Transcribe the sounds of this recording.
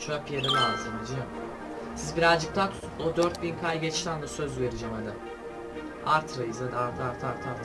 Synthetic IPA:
t͡ʃʰøpjeɾilʲazɯmid͡ʒiam | sizbiɾazd͡ʒɯk̚t̪ʰa | od̪øɾt̪̚binkʰajɟet͡ʃʃt̪ʲand̪asøzve̞ɾid͡ʒɛmad̪a | aɾt̪ʰɾajɯzad̪aaɾt̪ʰɯaɾt̪ʰaɾt̪ʰaɾt̪ʰ

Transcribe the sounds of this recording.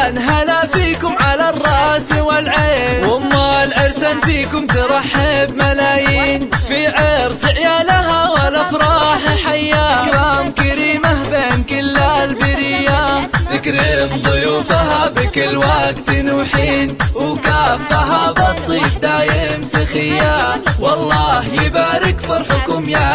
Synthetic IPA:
nɦalaʔfiːkʊmʕalarˤːɑːsɪwɪlʕeːwamːalʕɪɾsanfiːkʊmt̪ɪɾˤɑħːɪbmalaːjiːnfiʕeɾsɪʕjaːlaɦawalːafɾˤɑːħaħajːaɾamkaɾiːmabeːnkɪlːalbɪɾɪjːat̪ɪkɾɪbðˤʊjuːfaɦabɪkɪlwaɡt̪ɪnuːħiːnwkaːfːaɦabɑt̪ˤːiːfd̪aːjɪmsɪxɪjːawɑlˤːɑːhjɪbaːɾɪkfɑɾˤħʊkʊmja

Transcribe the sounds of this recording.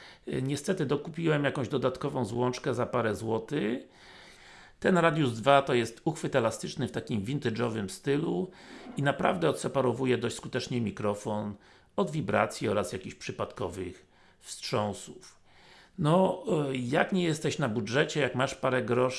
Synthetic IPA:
ɲɛst̪ɛt̪ɘd̪ɔkupʲiwɛmjakɔ̃w̃ʑd̪ɔd̪at̪kɔvɔ̃w̃zwɔnt͡ʂkɛzapaɾɛzwɔt̪ɘ | t̪ɛnɾad̪ʲjuzd̪vat̪ɔjɛst̪uxfɘt̪ɛlast̪ɘt͡ʂnɘft̪akʲimvʲint̪ɘd͡ʐɔvɘmst̪ɘluinapɾa̰vd̪ɛɔt̪sɛpaɾɔvujɛd̪ɔɕt͡ɕʲskut̪ɛt͡ʂɲɛmʲikɾɔfɔn | ɔd̪vʲibɾa̰t̪sʲjiɔɾasjakʲiɕpʂɘpat̪kɔvɘx | fstʂɔ̃w̃suf | nɔ | jakɲɛjɛst̪ɛɕnabudʐɛt͡ɕɛjakmaʂpaɾɛɡɾɔʂ

